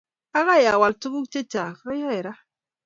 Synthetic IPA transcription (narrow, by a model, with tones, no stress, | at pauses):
a˦ɣa˦˨ja˨wa˨ltu˦ɡu˦kt͡ʃe˦ta˨ka˦ja˦ɛ˨ɾa˦